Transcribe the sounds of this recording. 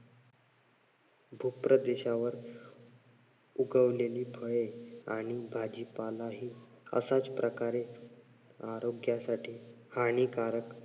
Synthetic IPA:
bʱupɾəd̪eɕaʋəɾ | uɡəʋleliːbʰʱəjeaɽ̃ibʱad͡ʑipalaɦiːə̰sat͡spɾəkaɾe | aɾoɡjasaʈʰiːhaɽ̃ikaɾək

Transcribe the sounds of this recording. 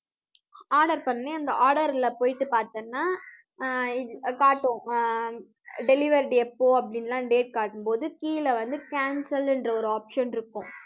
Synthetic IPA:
aːɾɽɐɾpɐnːeɐnd̪ɐaːɾɽɐɾɪlɐpoːjɪʈːɯpaːɾt̪ɐnːaː | ɪkaːʈːʊ̃ | ɖɛlɪʋɐɾɖɛpːoːɐpːɐɽɪnlãːɖeːʈ̚kaːʈːɯmpoːðɯkiːlɐʋɐnd̪ɯkaːnsɐlɛndrɐɔɾɯaːpʂɐnɪɾɯkːʊ̃

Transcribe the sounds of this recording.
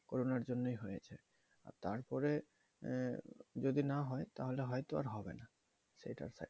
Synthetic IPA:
koɾonaɾd͡ʑonːojɦojet͡ɕʰe | a̰ɾt̪aɾpɔɾe | d͡ʑod̪inaɦɔjt̪aɦoleɦɔjt̪oa̰ɾɦɔbḛna | ʃḛjʈa̰ɾsa̰

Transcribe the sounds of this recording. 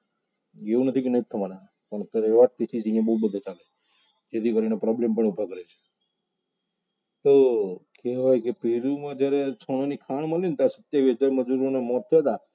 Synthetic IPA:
ɡeũnət̪ʰikenəit̪ʰəʋanã | pəɳkəɾeʋaʈ̚pisid͡ʒiĩjãbəɦubəd̪ʱat͡ʃale | d͡ʒet̪ʰikəɾinepɾɔblempəɳubʱakəɾet͡ʃʰe̥ | t̪okɛɦɔjkepiɾumãd͡ʒjaɾet͡ʃʰoɽ̃onikʰaɳməlint̪asət̪jaʋisəd͡ʒaɾməd͡ʒuɾonemɔt̪t̪ʰːəjat̪a

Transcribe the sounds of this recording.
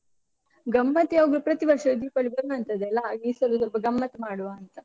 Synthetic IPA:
ɡɐmːɐt̪jaːʋɐɡlupɾɐt̪iʋɐɾʂɐd̪ipɐɭibɐɾuɐnt̪ɐd̪ɛlːɐɡiːsɐlusɔlpɐɡɐmːɐt̪ɐmaːɽuʋaːnt̪ɐ

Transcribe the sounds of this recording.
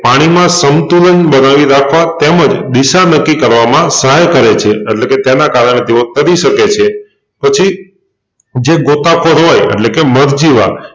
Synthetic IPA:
paɽ̃imãsəmt̪ulənbənaʋiɾakʰʋat̪eməd͡ʒd̪iʃanəkːikəɾʋamãsəɦajkəɾet͡ʃʰeːʈleket̪jenakaɾəɳ̃ed̪iot̪əɾiʃəket͡ʃʰe | pət͡ʃʰi | d͡ʒeɡot̪akʰoɾɦojḛʈlekeməɾd͡ʒiʋa̰

